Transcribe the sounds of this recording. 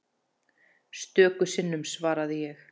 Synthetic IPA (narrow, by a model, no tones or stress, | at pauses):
st̪œːkʏsɪnːʏmsvaːɾaðɪjɛx